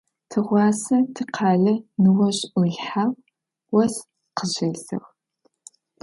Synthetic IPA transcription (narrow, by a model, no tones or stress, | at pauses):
tʰɨʁʷɑːsɐtʰɨqʰɑːɮɐnɨwɐɕʼʔʊɮħaːw | wɐs | qəʑɐɮɨ̰ʁ